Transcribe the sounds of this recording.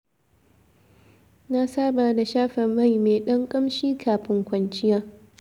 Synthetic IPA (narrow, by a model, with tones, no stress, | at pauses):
na˦saː˦baː˨da˨ʃaː˦ɸɐ˨ma˦˨jmeː˨ɗɐ˦ŋkʼɐ˦mʃiː˦kʰaː˨ɸɪ˦ŋkʷɐ˨nt͡ʃɪ˦jaː˦